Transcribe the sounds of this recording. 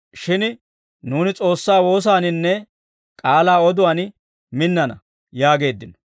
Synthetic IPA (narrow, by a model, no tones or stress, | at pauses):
ʃɪn | nuːnɪt͡sʼo̞ːsːaːwo̞ːs̬aːnɪnːɛ | kʼaːlaːɔd̪ʊwɐn | mɪnːɐnɐ̰ | jaːɡe̞ːd̪ːɪnɔ̥